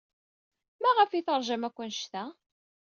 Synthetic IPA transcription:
mæʁəfiθəɾˤʒəmækʷːənʃt̪æ

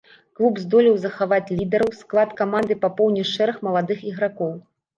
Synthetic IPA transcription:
klˠubzd̪ɔlʲiwzɐxavat͡sʲlʲid̪ɛɾɐwsklˠat̪kamand̪ɨpapɔwnʲiʂɛɾɐxmɐlˠad̪ɨxiɣɾakɔw

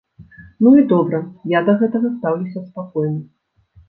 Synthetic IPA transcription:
nuid̪ɔbɾɐjad̪ɐɣɛt̪ɐɣɐst̪awlʲusʲɐspakɔjnɨ

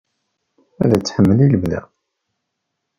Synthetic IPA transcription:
æðæt͡sːħəmːəliləmðæ̰

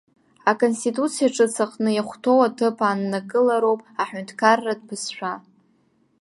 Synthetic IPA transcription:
akʰʼo̞nstitʼut͡sʰijaʈ͡ʂʼɨt͡sʰaqʼnɨjaχʷtʰo̞watʰɨpʰaːnːaɡɨlaɾo̞wpʼaħᶣʏntʰkʰarːadbɨsʃʷᶣa

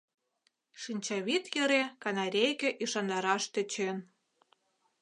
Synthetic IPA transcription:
ʃinʲt͡ɕɑβit̪jə̆ɾekɑnɑɾʲejkĕʔiʃɑnd̪ɑɾɑʃt̪ə̆t͡ɕen

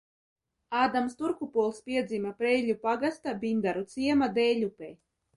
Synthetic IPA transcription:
aːd̪amst̪uɾkupuɔlˠspʲiɛd̪zimapɾɛjlʲupaɡast̪abʲind̪aɾut̪sʲiɛmad̪ɛjlʲupɛj

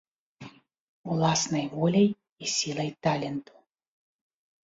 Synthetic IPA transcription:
ulˠasnɐjvɔlʲɛj | isʲilˠɐjt̪alʲɛnt̪u̥

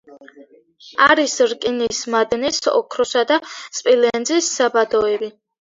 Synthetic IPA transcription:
aɾisɾkʼinismad̪nisɔ̰kʰɾɔsad̪asʼpʼilɛnd̪zisːabad̪ɔɛbi

